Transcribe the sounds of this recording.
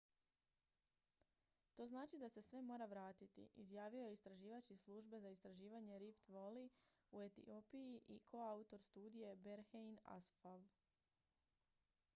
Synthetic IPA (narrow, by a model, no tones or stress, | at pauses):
t̪o̞ːznaːt͡ʃid̪ase̞sʋe̞mo̞ːɾaʋɾaːt̪it̪ḭʔḭzjaːʋio̞jeist̪ɾaʒiːʋat͡ɕislˠuʒbe̞zaist̪ɾaʒiːʋaɲe̞ɾift̪ʋoli | ue̞t̪ḭo̞pijiʔikʰo̞aut̪o̞ɾst̪uːd̪ije̞beɾxejna̰sfaʋ